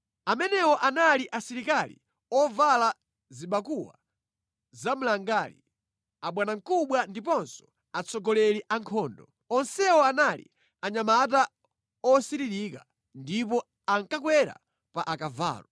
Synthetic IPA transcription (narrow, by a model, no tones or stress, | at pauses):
amɛnɛwɔʔanaliʔasiɾikalḭ | ɔvala | ziɓakuwa | zam̩laŋɡaːlḭ | aɓwanaŋ̩kuɓwandipɔnsɔ̥ | at͡sɔɡɔlɛliʔaŋkʰɔːndɔ | ɔnsɛwɔanalḭ | aɲamat̬a | ɔsiɾiɗika | ndip̬ɔ | aŋkakwɛɾa̰ | paʔakava̰ːlɔ